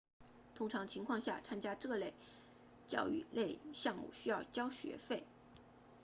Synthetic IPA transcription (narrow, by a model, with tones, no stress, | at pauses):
t̪ʰʊ˥ŋʈ͡ʂʰɑ˧˥ŋt͡ɕʰi˧˥ŋkʰwɑ˥˧ŋɕja̰˥˩t͡sʰa˥nt͡ɕja˥ʈ͡ʂɤ˥˧le˥˧˩ɪ | t͡ɕjɑ̰˥˧ʊy̰˥˩le˥˧ɪɕjɑ˥˧ŋmṵ˥˩ɕy˥jɑ˥˩ʊt͡ɕjɑ˥ʊɕɥɛ̰˧˥fe˥˩ɪ